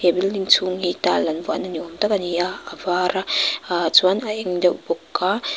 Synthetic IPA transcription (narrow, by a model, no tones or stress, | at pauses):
ebildiŋt͡sʰuŋhit̪alɐnvua̰naniɔmt̪akaniaːvaːɾat͡swanaʔɛŋdɛwbɔkːa